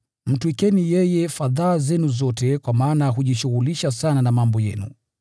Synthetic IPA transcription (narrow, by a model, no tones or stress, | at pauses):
m̩tuikɛnijɛjɛfaðaːzɛnuzɔtɛkwamaːnaɦuʄiʃuɣuliʃasananamambɔjɛ̰nṵ